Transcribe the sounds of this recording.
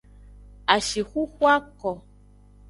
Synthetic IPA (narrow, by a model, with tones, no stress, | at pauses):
a˨ʃi˨xu˦xwa˦kɔ˨